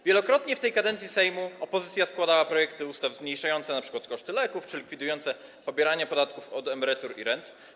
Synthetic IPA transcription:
vʲjɛlɔkɾɔt̪ɲɛft̪ɛjkad̪ɛnt̪sʲisɛjmuɔpɔzɘt̪sʲjaskwad̪awapɾɔjɛkt̪ɘust̪avzmɲejʂajɔnt̪sɛnapʂɘ̥kwat̪kɔʂt̪ɘlɛkuft͡ʂɘlʲikfʲid̪ujɔnt̪sɛ | pɔbʲjɛɾaɲapɔd̪at̪kufɔd̪ɛmɛɾɛt̪uɾḭɾɛnt̪

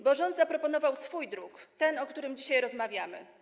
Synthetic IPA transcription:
bɔʐɔnd̪zapɾɔpɔnɔvawsfujd̪ɾukt̪ɛnɔkt̪uɾɘmd͡ʑiɕajɾɔzmavʲjamɘ̰

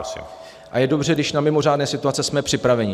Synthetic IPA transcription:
sḭ | ʔajɛdo̞br̝ɛɡdɪʃnamɪmo̞raːdnɛːsɪt̪uat͡sɛsmɛpr̝̥ɪpɾavɛɲɪ

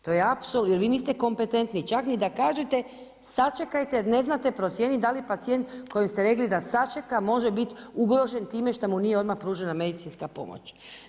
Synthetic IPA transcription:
t̪o̞jeapsoljeɾʋiːniːst̪e̞ko̞mpe̞t̪e̞nt̪nit͡ʃaknid̪akaːʒet̪e̞ | sat͡ʃekajt̪eɾne̞znat̪e̞pɾo̞t̪sjenid̪alipat̪sije̞nt̪ko̞jimst̪e̞ɾe̞klid̪asat͡ʃekamo̞ʒebit̪uɡɾo̞ʒe̞nt̪iːme̞ʃt̪amunijeo̞d̪maxpɾuːʒename̞d̪it̪inskapo̞̰mo̰t͡ɕ

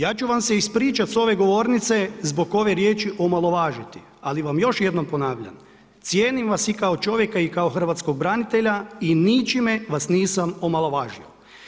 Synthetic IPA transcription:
jaːt͡ʃuʋamseispɾiːt͡ʃat̪so̞ʋe̞ɡo̞ʋo̞ːɾnit̪se̞zbo̞ko̞ʋe̞ɾje̞ːt͡ʃiʔomalˠo̞ʋaːʒit̪i̥ | aliʋamjo̞ʃjed̪no̞mpo̞naːʋʎa̰n | t̪sjeːnimʋasikaot͡ʃo̞ʋjekaikaoxr̩ʋat̪sko̞ɡ̚bɾanit̪eʎainit͡ʃimeʋasniːsamomalˠo̞ʋaːʒio̰

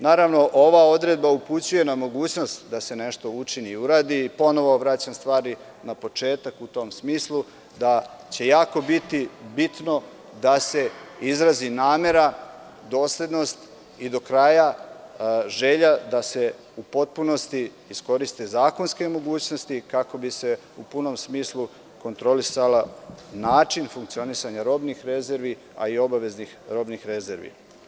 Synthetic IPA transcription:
naːɾaʋno̞ʔo̞ʋao̞d̪ɾe̞d̪̚bauput͡ɕuje̞namo̞ɡuːt͡ɕno̞st̪d̪ase̞ne̞ʃt̪o̞ut͡ʃiniuɾaːd̪iːpo̞no̞ʋo̞ʋɾat͡ɕamst̪ʋaːɾi | napo̞t͡ʃe̞ːt̪akut̪o̞msmiːslˠu | d̪at͡ɕe̞jaːko̞bit̪ibit̪no̞ | d̪ase̞izɾazinaːme̞ɾa | d̪o̞ːsled̪no̞st̪ | id̪o̞kɾaːja | ʒe̞ʎad̪ase̞ | upo̞t̪̚puno̞st̪iː | sko̞ɾist̪e̞zaːko̞nske̞mo̞ɡuːt͡ɕno̞st̪ikako̞bise̞ | upuno̞msmiːslˠu | ko̞nt̪ɾo̞lisalanaːt͡ʃinfuŋkt̪sio̞nisaɲaɾo̞ːbnixɾe̞ze̞ɾʋi | a̰io̞baʋe̞znixɾo̞ːbnixɾe̞ze̞ɾʋḭ

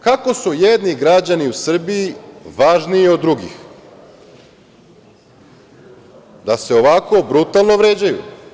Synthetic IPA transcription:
kako̞sujed̪niɡɾad͡ʑaniusr̩bijiʋaʒniːod̪ːɾuɡḭx | d̪ase̞oʋako̞bɾut̪alˠno̞ʋɾeːd͡ʑajṵ

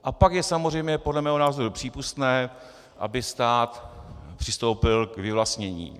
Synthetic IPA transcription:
ʔapakjɛsamor̝ɛjmɲɛpo̞dlɛmɛːɦonaːzo̞ɾupr̝̥iːpust̪nɛː | ʔa̰bɪst̪aːt̪pr̝̥ɪst̪owpɪlkvɪvlast̪ɲɛɲḭː

